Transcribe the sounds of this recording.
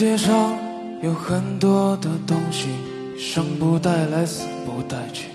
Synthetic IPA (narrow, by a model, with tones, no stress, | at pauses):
ɛ˥ʂɑ˥ŋ | jo˨˧˩ʊxə˧˥nt̪wɔ˥d̪ə˨t̪ʊ˥ŋɕi˨ | ʂə˧˥ŋpu˧˥t̪a˥˩ɪla˧˥ɪs̩˨˩pu˧˥t̪a˥˩ɪt͡ɕy̥˥˩